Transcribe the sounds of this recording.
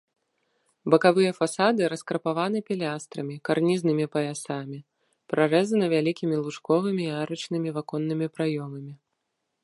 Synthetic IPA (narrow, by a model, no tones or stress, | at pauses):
bɐkavɨjɐfasad̪ɨɾɐskɾɐpavanɨpʲɛlʲast̪ɾɐmʲikarnʲiznɨmʲipɐjasamʲi | pɾʔarɛzɐnɨvʲalʲikʲimʲilˠuʂkɔvɨmʲiːaɾɐt͡ʂnɨmʲivakɔnːɨmʲipɾajɔmɐmʲi